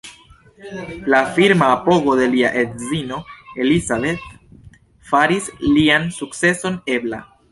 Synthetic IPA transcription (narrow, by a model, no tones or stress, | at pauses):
lafiɾmaːpo̞ɡo̞de̞liaʔe̞dzino̞e̞lizabe̞t̪ | faɾisliansukt͡se̞so̞ne̞bla̰